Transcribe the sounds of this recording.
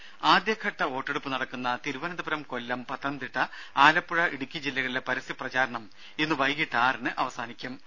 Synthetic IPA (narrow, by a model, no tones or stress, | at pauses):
aːd̪jɐkʰɐʈːɐo̞ːʈːeɽupːɨnɐɽɐkːunːɐt̪iɾuʋɐnɐd̪ɐbɐɾɐmko̞lːɐmpɐt̪ːɐnd̪iʈːɐ | aːlɐpːuɻɐʔiɽukʲːid͡ʑilːɐɣɐɭilepɐɾɐsiprɐt͡ɕaːɾɐɳɐm | enːɨʋɐjɡiʈːaːrinɨʔɐʋɐsaːnikʲːum